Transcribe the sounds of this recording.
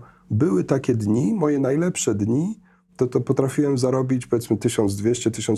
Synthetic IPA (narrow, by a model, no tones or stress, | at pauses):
bɘwɘt̪akʲɛd̪ɲimɔjɛnajlɛpʂɛd̪ɲi | t̪ɔt̪ɔpɔt̪ɾafʲiwɛmzaɾɔbʲit͡ɕpɔvʲjɛt̪mɘt̪ɘɕɔnd̪zd̪vʲjeɕt͡ɕɛt̪ɘɕɔ̃n